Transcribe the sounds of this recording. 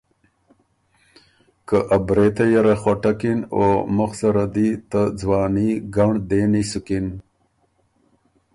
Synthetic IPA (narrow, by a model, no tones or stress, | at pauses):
kəʔabɾet̪ajaɾaxoʈakino̰muxsaɾad̪it̪əd͡zwɑːniɡaɳd̪enisukin